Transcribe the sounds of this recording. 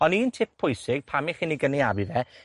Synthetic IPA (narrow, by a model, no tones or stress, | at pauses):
ɔniːntʰɪp̚pʰːʊjsɪɡ̥̚pʰamiχiːniɡəniabiðɛ